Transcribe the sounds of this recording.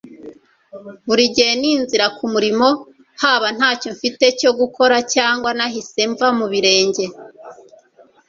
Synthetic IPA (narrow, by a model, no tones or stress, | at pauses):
βuɾiɟeːniːnziɾakumuɾimo̞ | haːβan̥haːco̞ɱfite̞co̞ɡuko̞ɾacaːŋɡwanaɦise̞ɱvamuβiɾe̞ːɲɟe̞